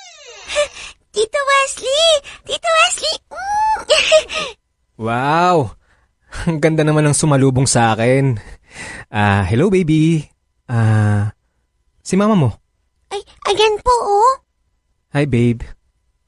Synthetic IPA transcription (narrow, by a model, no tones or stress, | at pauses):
t̪it̪owɛslit̪it̪owɛsli | waw | ɐŋɡɐnd̪anɐmanɐŋsʊmɐluːboŋsɐʔaːkɛn | ʔaːhɛlowbejbi | ʔa | sɪmaːmɐmo̞ | ʔɐj | ʔɐɡɛnpoʔo | hajbejb